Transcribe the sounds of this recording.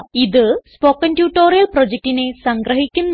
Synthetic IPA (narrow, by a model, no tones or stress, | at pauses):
iðɨspoːkːɐntjuːʈːoːɾijɐlprod͡ʑek̚ʈine̞sɐŋɡɾɐɦikʲːunː